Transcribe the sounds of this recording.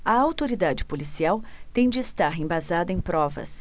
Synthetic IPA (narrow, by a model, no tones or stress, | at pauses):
ɐawt̪oɾid̪ad͡ʒɪpolisiawt̪ẽj̃d͡ʒɪːst̪aɾẽbazad̪ɐẽj̃pɾɔvɐ̰s